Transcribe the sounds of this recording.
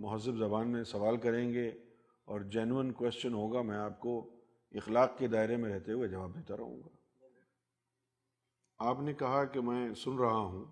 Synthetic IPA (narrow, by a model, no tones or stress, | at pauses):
mʊɦəzːɪbzɐbaːnmẽsɐʋaːlkɐɾẽːŋɡe | ɔːɾd͡ʒɛnuənkwɛːst͡ʃənɦoːɡamɛ̃ːaːp̚ko | ɪxlaːqked̪aːɪɾemẽɾɛɦt̪eɦʊed͡ʒɐʋaːb̚d̪eːt̪aɾɐ̰ɦṵ̃ːŋɡaː | aːpnekɐɦakemɛ̃ːsʊnɾɐɦaɦũː